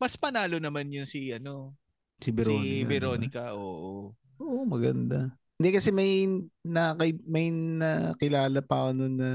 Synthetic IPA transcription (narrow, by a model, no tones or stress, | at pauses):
mɐspɐnaːlonɐmanjʊnsiʔɐno | sibɛɾoːnɪkbɛɾoːnnɪkɐʔoːʔo | ʔoːʔomɐɡɐ̰nd̪a | hɪnd̪ɛkɐsɛmɐjnɐkɐmɐjnɐkɪlaːlɐpaɐnonːɐ